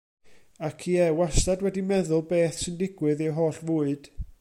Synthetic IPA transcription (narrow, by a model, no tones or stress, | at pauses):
akʰiːɛwastadwɛdimɛðʊlˠbeːθsɨndɪɡwɨðiɦoːɬvʊːɨd̥